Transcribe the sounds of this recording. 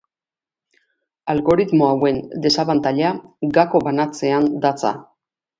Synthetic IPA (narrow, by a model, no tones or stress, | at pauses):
alɣo̞ɾit̪mo̞awe̞nd̪e̞saβant̪aʎaɡako̞βanat͡se̞and̪at͡sa̰